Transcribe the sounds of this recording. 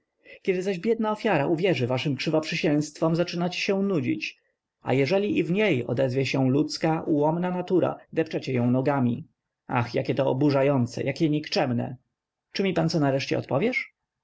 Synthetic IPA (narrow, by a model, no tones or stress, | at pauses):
kʲɛd̪ɘzaʑbʲjɛd̪̚naɔfʲjaɾaʔuvʲjɛʐɘvaʂɘmkʂɘvɔpʂɘɕɛw̃st̪fɔmzat͡ʂɘnat͡ɕeɕɛ̃nud͡ʑḭt͡ɕ | a̰jɛʐɛlʲiʔivɲejɔ̰d̪ɛzvʲjɛɕɛ̃lut̪skaʔuwɔmnanat̪uɾa̰d̪ɛpt͡ʂɛt͡ɕɛjɔ̃w̃nɔɡamʲḭ | a̰xjakʲɛt̪ɔɔ̰buʐajɔnt̪sɛ̰jakʲɛɲikt͡ʂɛmnɛ̰ | t͡ʂɘmʲipant̪sɔnaɾɛʂt͡ɕɛ̰ɔ̰t̪pɔvʲjɛʂ